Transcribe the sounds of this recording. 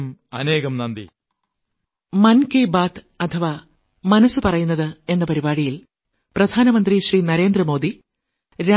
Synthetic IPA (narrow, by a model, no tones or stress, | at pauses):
mɐneːɣɐmnɐnd̪ḭ | mɐnkeːbaːt̪ | ɐt̪ʰɐʋa | mɐnɐsːɨpɐrɐjunːɐðɨe̞nːɐpɐɾibaːɽijil | prɐd̪ʱaːnɐmɐnd̪riɕriːnɐɾe̞ːnd̪rɐmo̞ːd̪i | ɾa